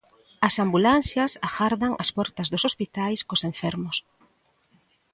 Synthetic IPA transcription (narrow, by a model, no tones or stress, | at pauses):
ɐsambulan̟θjɐsaxaɾðaŋʔɐspɔɾt̪ɐzðosospit̪ajskosẽɱfɛɾmʊs